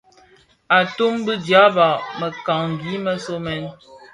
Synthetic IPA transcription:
a˨tu˦mbə˦dja˨˦ba˨mə˨ka˨ŋ˨ɡi˨˦mə˦so˦mɛ˦n

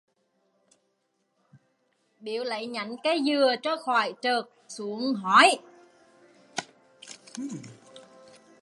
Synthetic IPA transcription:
ɓi˧˩˨əwlə̰˧˨jɲa̰˧˩jŋkaː˨˦jzɨ˨˩ət͡ɕɔ˧˦xɔː˧˩jt͡ɕəː˨˩k̚su˨˧˦əŋɦɔ˧˦j

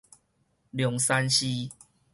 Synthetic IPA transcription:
ljɔ˨˦ŋsa˦nɕi˦

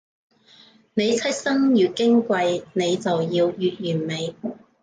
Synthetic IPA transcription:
ne˨˧jt͡sʰɐ˥t̚sɐ˥ŋjyː˨˩kɪ˥ŋkʷɐ˧jne˨˧jt͡sɐ˨wjiː˧wjyː˨t̚jyː˨˩nme˨˧j

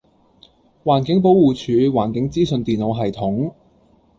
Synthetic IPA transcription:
waː˨˩nkɪ˨˥ŋpo˨˥wwuː˨˩t͡ʃʰyː˨˧waː˨˩nkɪ˨˥ŋt͡siː˥sɵ˧nt̪iː˨nlo˨˧wɦɐ˨˩jt̪ʰʊ˨˥ŋ

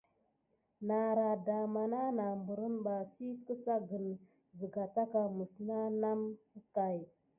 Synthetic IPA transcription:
na˨ɾa˨da˨ma˨na˦na˨mbu˨ɾə˦nba˨si˦kə˦sa˦ɡə˨n | zə˨ɡa˨ta˦ka˨mə˨sna˦na˦msə˦ka˨j

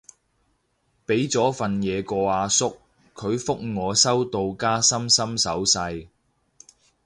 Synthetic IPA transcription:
pe˨˥jt͡sɔː˨˥fɐ˨njɛː˨˧kɔː˧aː˨˧sʊ˥kʰː | ɵ˨˧ɥfʊ˥k̚ŋɔː˨˧sɐ˥wt̪o˧wkaː˥sɐ˥msɐ˥msɐ˨˥wsɐ˧j

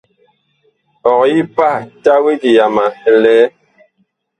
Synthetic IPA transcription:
ɔ˨kji˦pa˦ta˦we˦ɡi˨ja˨ma˨ɛ˨lɛː˦

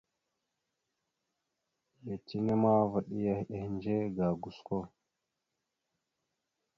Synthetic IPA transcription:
je˨ti˦ŋe˦ma˦və˨ɗi˦ja˦he˨hnd͡ʒe˦ɡa˨ɡu˨sko˦

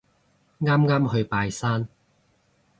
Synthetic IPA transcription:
ŋaː˥mŋaː˥mɦɵ˧ɥpaː˧jsaː˥n

